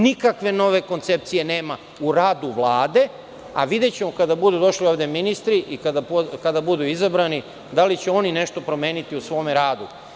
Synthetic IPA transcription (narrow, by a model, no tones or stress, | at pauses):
nikakʋe̞no̞ʋe̞ko̞nt̪se̞p̚t̪sije̞ne̞ːma | uɾaːd̪uʋlˠaːd̪e̞ | a̰ʋid̪et͡ɕe̞mo̞kad̪abud̪ud̪o̞ʃlio̞vd̪eminist̪ɾiʔikad̪apokad̪abud̪uizabɾani | d̪alit͡ɕeo̞nine̞ʃt̪o̞pɾo̞me̞ːnit̪iusʋo̞ːmeɾaːd̪u